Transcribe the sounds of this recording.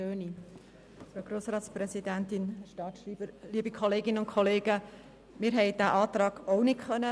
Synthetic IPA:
øːni | fɾoɡɾoːsɾɑːt̪spɾɛsidæntɪnhɛʃtɑːtʃriːb̥əɾliːəbikʰɔleːɡɪnənʊntkʰɔleːɡ̥ə | mɪːɾɦɛɪd̥æːʔɑːt̪ɾɑːɡ̥oʊnɪtχœnə

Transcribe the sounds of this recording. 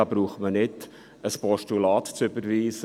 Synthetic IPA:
ɑbɾuːχmənɪt | əspɔʃtulɑːtt͡sʏbəɾʋiːsə

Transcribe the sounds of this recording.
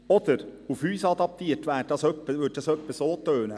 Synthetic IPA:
ɔd̪̥əɾufhyːsɑd̪ɑp̚t̪iːətʋæːdɑsœpːəʋʏd̚d̥ɑsœpːəsoːt̪øːnə

